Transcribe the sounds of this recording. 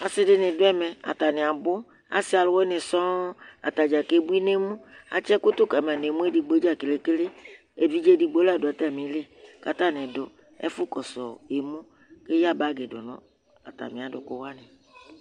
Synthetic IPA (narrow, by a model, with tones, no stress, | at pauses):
a˨sɪ˦dɪ˦nɪ̃˨dʊ˦ɛ˦mɛ̃˨a̰˨t̪a˨nẽ˨a˨bʊ˦ | a̰˨si˦a˨lʊ˦wɔ˦nẽ˨sɔ̃˦a̰˨t̪a˨d͡ʒa˨ke˦bu˦i˦ne˦mũ˦a̰˨t͡ʃɛ˦kʊ˦t̪ʊ˦ka˨mɛ˨ne˨mũ˦e˦di˨ɡ͡bo˦d͡ʒa˦ke˨le˨ke˦le˦ | e˨vi˦d͡ʒe˦di˨ɡ͡bo˦la˦˨do˨ɛ˨t̪a˨mĩ˨le˦ka˨t̪a˦˨nẽ˨dʊ˨ | ɛ̰˦fʊ˦kɔ˨sɔ˨e˨mõ˦ | ke˦ja˦ba˦ɡe˨dʊ̰˨nɔ̰̃˦ | a̰˨t̪a̰˨mĩ˨a˨dʊ˨kʊ˦wa˦nɛ̃˨